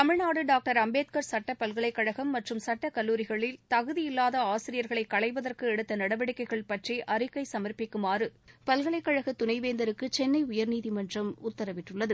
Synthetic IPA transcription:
t̪ɐmɪɻnaːɽɯɖaːk̚ʈɐɾɐmbeːt̪̚kɐɾsɐʈːɐpɐlɣɐɭɐɪkːɐɻɐɣɐmːɐʈrɯmsɐʈːɐkɐlːuːɾɪɣɐɭɪlt̪ɐɣɯðɪjɪlːaːðɐaːsɪɾɪjɐɾɣɐɭɐɪkːɐɭɐɪʋɐðɐrkɯɛɽɯt̪ːɐnɐɽɐʋɐɽɪkːɐɪɣɐɭpɐʈriʔɐɾɯkːɐɪsɐmɐrpɪkːɯmaːrɯpɐlɣɐɭɐɪkːɐɻɐɣɐt̪ːʊnɐɪʋeːnd̪ɐɾɯkːɯt͡ʃɛnːɐɪʊjɐɾniːðimɐndrɐmʊt̪ːɐɾɐʋɪʈːɯɭːɐðɯ

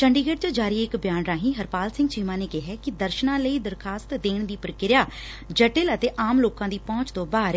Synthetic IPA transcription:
t͡ʃəɳɖiːɡeːɖ̚t͡ʃəd͡ʒaːɾiːɪkbjaːnɾaːɦĩːɦəɾpaːlsɪ̃ŋɡt͡ʃiːmãːneːkɪɦɛːkɪd̪əɾʃnãːləiːd̪əɾkʰaːst̪d̪eːɳd̪iːpəɾəkɪɾjaː | d͡ʒəʈɪlət̪eːʔaːmloːkãːd̪iːpɔ̃ːt͡ʃt̪õːbaːɾ

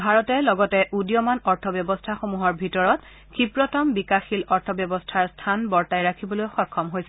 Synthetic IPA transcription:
bʱaɹɔtɛlɔɡɔtɛʔudijɔmanɔɹtʰɔbjɔbɔstʰaxomuɦɔɹbʱitɔɹɔt | xipɹɔtɔmbikaxilɔɹtʰɔbjɔbɔstʰaɹstʰanbɔɹtajɹakʰibɔlojxɔkʰːɔmɦojsɛ

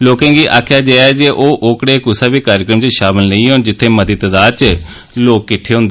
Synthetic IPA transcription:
loːkãːŋɡiːʔa̰ːkʰjaːd͡ʒaːaːd͡ʒeːʔoːʔoːkɽeːkʊsaːbiːkaːɾɪəkɾəmt͡ʃʃaːmɪlnə̃ĩːɦõːnd͡ʒɪt̪ʰːeːmət̪iːt̪əd̪aːt͡ʃ | loːkːɪʈʰːeːɦʊ̃nd̪e

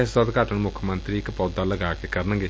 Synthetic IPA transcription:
sd̪əd̪kaːʈəɳmʊkʰəmənt̪ɾiːɪkpɔːd̪aːləɡaːkeːkəɾnə̃ŋɡe

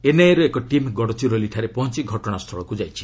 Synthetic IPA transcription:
enajeɾuekɔʈimɡɔɽɔt͡ʃiɾoliʈʰaɾepɔɦnt͡ʃiɡʱɔʈɔɽ̃ast̪ʰɔɭɔkud͡ʒajt͡ʃʰi̥

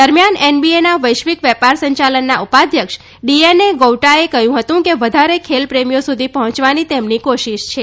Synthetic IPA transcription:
d̪əɾmjanenbienaʋəjʃʋikʋɛpaɾsəɲt͡ʃalənːaʔupad̪ʱjəkʃ | ɖieneɡowʈaekəɦjũɦət̪ũkeʋəd̪ʱaɾekʰelpɾemijosud̪ʱipəɦɔ̃t͡ʃʋanit̪emnikoʃiʃt͡ʃʰe

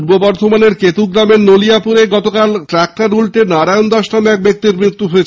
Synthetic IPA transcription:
ɾbobɔɾd̪ʱomaneɾket̪uɡɾameɾnolijapuɾeɡɔt̪okalʈɾak̚ʈaɾulʈenaɾaeond̪ɔʃnameɛk̚bek̚t̪iɾmɾit̪ːuɦoet͡ɕʰ

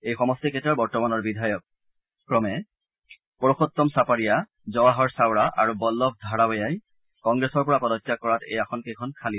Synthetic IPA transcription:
ejxɔmɔstiketaɹbɔɹtɔmanɔɹbidʱajɔk̚ː | ɹɔmɛ | pɔɹoxɔt̪ːɔmsapaɹija | zɔwaɦɔɹsawɹaʔa̰ɹubɔlːɔb̚dʱaɹabɔjaj | kɔŋɡɹesɔɹpɔɹapɔdɔkːjakɔɹatʰḛjaxʰɔnkejkʰɔnkʰali

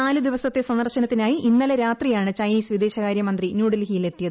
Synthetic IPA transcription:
naːlud̪iʋɐsɐt̪ːe̞sɐnd̪ɐrɕɐnɐt̪ːinaːjiʔinːɐleɾaːt̪rijaːɳɨt͡ɕɐjniːsʋid̪e̞ːɕɐkaːɾjɐmɐnd̪rinjuːɽɐlɦijile̞t̪ːijɐðɨ

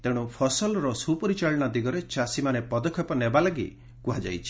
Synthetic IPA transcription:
t̪eɽ̃upʰɔsɔlɾɔsupɔɾit͡ʃaɭɔɽ̃ɔd̪iɡɔɾet͡ʃasimanepɔd̪ɔkʰːɔpɔnebalaɡḭ | kuɦad͡ʒa̰jt͡ʃʰi̥

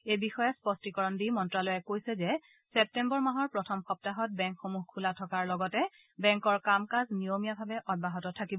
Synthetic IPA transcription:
ejbixɔjɛspɔstikɔɹɔndimɔntɹalɔjɛkojsɛzɛ | sɛp̚tɛmbɔɹmaɦɔɹpɹɔtʰɔmxɔp̚taɦɔt̚bɛŋkxomuɦkʰulatʰɔkaɹlɔɡɔtɛ | bɛŋkɔɹkamkaznijomijabʱabɛʔɔd̚baɦɔtɔtʰakibɔ

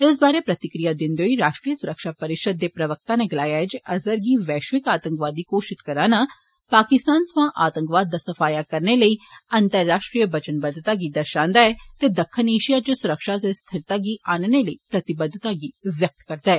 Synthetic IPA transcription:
ɪs̬baːɾepɾɐt̪ɪkɾijad̪ɪ̃nd̪eɦoiɾaːʃʈɾijəsʊɾəkʃapɐɾɪʃəd̪̚ːepɾɐʋək̚t̪ãneɡɐlaːjaɦɛd͡ʒʔɐzəɾɡiʋɛːʃʋɪkaːt̪ə̃ŋkʋaːd̪ːikoːʃɪt̪kɐɾaːna | paːkɪst̪aːnsʋãːʔaːt̪ə̃ŋkʋaːd̪̚ːaːsɐfaːjakɐɾneləiɐ̃nt̪əɾːaːʃʈɾijəbɐt͡ʃənbəd̪ːt̪aɡid̪ɐɾʃãːnd̪aɛt̪ed̪ɐkʰːəneːʃijat͡ʃəsʊɾəkʃasest̪ʰɪɾt̪aɡiʔaːnneləipɾɐt̪ɪbəd̪ʱːt̪aɡiʋjɐk̚t̪kɐɾd̪aɦɛː

